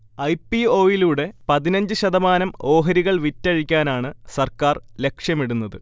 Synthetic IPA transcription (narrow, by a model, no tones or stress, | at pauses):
ɐjpio̞ːjiluːɽe̞pɐðinɐɲd͡ʑɨɕɐðɐmaːnɐmo̞ːɦɐɾiɣɐɭʋitːɐɻikʲːaːnaːɳɨsɐrkaːrle̞kʂjɐmiɽunːɐðɨ